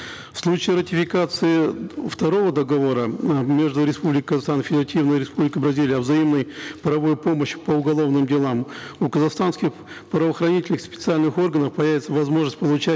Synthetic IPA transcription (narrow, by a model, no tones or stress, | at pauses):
fslˠut͡ɕɪːɾətʲɪfʲɪkat̪sɨɪft̪ɐɾo̞vəd̪əɡɐvo̞ɾəmʲeʐd̪ʊɾʲɪspublʲɪkəɪkəzaxst̪anfʲɪdʲɪɾɐtʲʰivnəjɾʲɪspublʲɪkəjbɾɐzʲilʲɪjɐvzɐimnəjpəɾɐvo̞jʊpo̞məɕpəʊɡɐlˠo̞vnɨmdʲɪlˠamukəzɐxst̪anskʲɪx | pɾəvəxɾɐnʲitʲɪlʲnɨxspʲɪt̪sɨalʲnɨxo̞rɡənəfpɐjævɪt̪səvɐzmo̞ʐnəsʲt̚ʲpəlˠʊt͡ɕæ